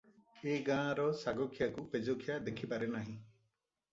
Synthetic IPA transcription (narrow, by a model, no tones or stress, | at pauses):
eɡãːɾɔsaɡɔkʰijakuped͡ʒokʰjad̪ekʰipaɾenaɦĩ